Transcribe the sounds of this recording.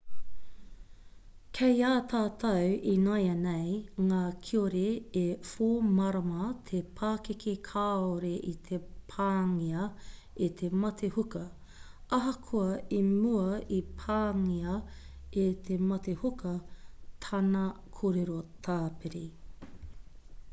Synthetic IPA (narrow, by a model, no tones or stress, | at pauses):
kʰejaːt̪ʰaːt̪ʰɐwinɐjɐnejŋaːkʰioɾeefoːmɐɾɐmɐt̪ʰepʰaːkekʰekʰaːoɾeʔit̪ʰepʰaːŋiɐ | et̪ʰemɐt̪ʰehukɐ | ɐɦɐkʰuɐimuɐipʰaːŋiɐet̪ʰemɐt̪ehukʰɐt̪ʰɐnɐkʰoːɾeɾot̪ʰaːpeɾi